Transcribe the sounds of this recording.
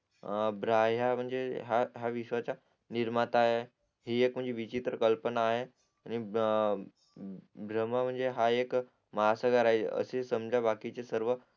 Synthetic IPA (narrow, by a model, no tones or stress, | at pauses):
bɾajam̤əɳd͡zeɦaɦjaʋiʃʋat͡ɕa | niɾmat̪aɦe | ɦiek̚m̤əɳd͡zeʋit͡ɕit̪ɾəkəlpənaːɦe | añi | bɾəmam̤əɳd͡zeɦaek | məɦasəɡaɾajt͡sḛə̰sesəmd͡ʑʱabakit͡sesəɾʋə